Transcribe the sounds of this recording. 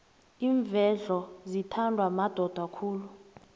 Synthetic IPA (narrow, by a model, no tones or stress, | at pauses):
iːɱvʱɛɮɔzitʰandʱwamad̥ʱɔd̥ʱwakʰuːlu